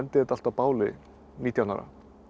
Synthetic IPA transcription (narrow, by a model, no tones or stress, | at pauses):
ɛnt̪ɪɛt̪alt̪apaːwlɪ̰ | niːt̪ʰjana̰ɾa̰